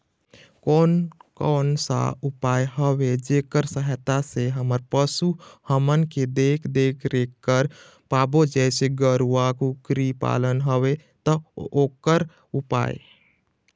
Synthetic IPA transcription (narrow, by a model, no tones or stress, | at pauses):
kɔːnkɔːnsa̰ʊpaːjɦəwed͡ʒekəɾsəɦət̪aseɦəməɾpəsuhəmənked̪eːkʰd̪eːkʰɾekːəɾ | paːbod͡ʒɛːseɡəɾuakukɾipa̰ːlənɦəwet̪ɔoːkəɾ | upa̰ːjḛ